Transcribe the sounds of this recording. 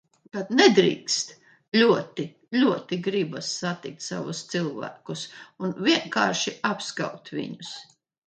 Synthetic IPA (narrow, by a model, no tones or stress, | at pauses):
t̪at̪nɛd̪ɾḭːkst̪ | lʲuɔt̪i | lʲuɔt̪iɡɾibasːat̪ik̚t̪sa̰vust̪silˠvæ̰ːkusunvʲiɛŋka̰ːɾʃiapska̰wt̪vḭɲus